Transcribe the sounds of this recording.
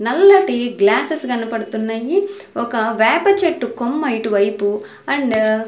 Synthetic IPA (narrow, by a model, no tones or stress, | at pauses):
nɐlːɐʈiɡlaːsesɡɐnɐpɐɽut̪unːɐji | ɔkɐʋɛːpɐt͡ʃeʈːukomːɐjʈuʋɐjpu | ɐɳɖ